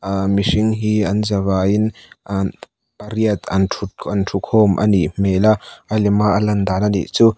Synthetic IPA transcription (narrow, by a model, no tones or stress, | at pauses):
miʂiŋɦiɐnzɐβaːjin | pɐɾiɐt̪ɐntʰut̪ʰɐntʰukʰɔːmʔɐ̰niʔmeːlaʔɐlimaʔɐlɐnd̪aːnɐnḭʔt͡su